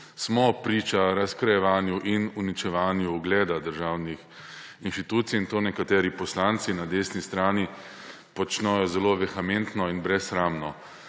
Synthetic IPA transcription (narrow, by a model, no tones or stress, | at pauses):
smɔpɾiːt͡ʃaɾaskɾajɛʋaːnjuʔinunit͡ʃɛʋaːnjuːɡlɛːd̪ad̪əɾʒaːwnix | inʃt̪it̪uːt̪siint̪oːnɛkat̪ɛːɾipɔslaːnt̪sinad̪eːsnist̪ɾaːni | pɔt͡ʃnɛjɔzɛloːʋɛxament̪nɔinbɾɛsxɾaːmnɔ